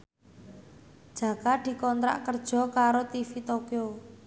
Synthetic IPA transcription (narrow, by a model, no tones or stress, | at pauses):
d̥ʒ̥ä̤kad̪̥i̤kɔnt̪ɾa̰ʔkərd̥ʒ̥ɔ̤kaɾot̪ifit̪okio